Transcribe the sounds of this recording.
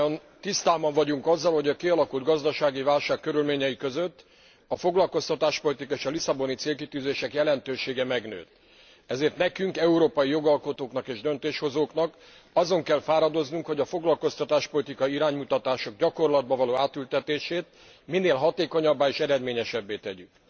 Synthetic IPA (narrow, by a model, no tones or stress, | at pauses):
n | t̪ist̪aːbɒɱvɒɟuŋkɒzːɒlho̞ɟɒkiɒlɒkuld̪ɡɒzd̪ɒʃaːɡivaːlʃaːkːø̞ɾylmeːɲɛikøzøt̪ː | ɒfo̞ɡlɒlko̞st̪ɒt̪aːʃpo̞lit̪ikɒeːʃɒlisɒbo̞nit̪seːlkit̪yːzeːʃɛkjɛlɛnt̪øːʃeːɡɛmɛɡnø̰ːt̪ | ɛzeːrt̪nɛkyŋkɛuɾoːpɒjijo̞ɡɒlko̞t̪oːkn̪ɒkeːʒd̪ø̞nt̪eːʃho̞zoːknɒk | ɒzo̞ŋkɛlfaːɾɒd̪o̞znuŋkho̞ɟɒfo̞ɡlɒlko̞st̪ɒt̪aːʃpo̞lit̪ikɒiɾaːɲmut̪ɒt̪aːʃo̞ɡɟɒko̞rlɒd̪̚bɒvɒloːaːt̪ylt̪ɛt̪eːʃeːt̪ | minːeːlɦɒt̪eːko̞ɲɒbːaːeːʃɛɾɛd̪meːɲɛʃɛbːeːt̪ɛɟyk